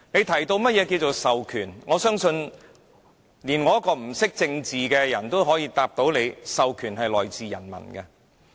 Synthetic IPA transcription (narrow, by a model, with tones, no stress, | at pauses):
ne˨˧jt̪ʰɐ˨˩jt̪o˧wmɐ˥t̚jɛ˨˧k̬iː˧wt͡so˨wsɐ˨wkʰyː˨˩nŋɔː˨˧sœː˥ŋsɵ˧n | liː˨˩nŋɔː˨˦jɐ˥kɔː˧m̩˨˩sɪ˥k̚t͡sɪ˧ŋt͡siː˨kɛː˧jɐ˨˩nt̪o˥wɦɔː˨˥jiː˧t̪aː˧p̚t̪o˨˥wle˨˧jsɐ˨wkʰyː˨˩nhɐ˨jlɔː˨˩jt͡siː˨jɐ̰˨˩nmɐ̰˨˩nkɐ˧